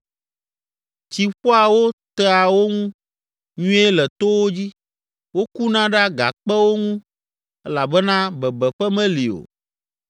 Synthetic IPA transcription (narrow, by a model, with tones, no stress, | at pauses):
t͡ɕi˨ɸɔ˦a˨wo˦t̪ɛ˦a˨wo˦ŋũ˦ | ɲũ˦e˦lɛ˨t̪o˦wo˦d͡ʑi˦ | wo˦ku˦nã˦ɖa˦ɡa̰˨k͡pɛ˦wo˦ŋũ˦ | ɛ˦la˨bɛ˦nã˦bɛ˨bɛ˨ɸɛ˦mɛ̃˦li˨o̰˨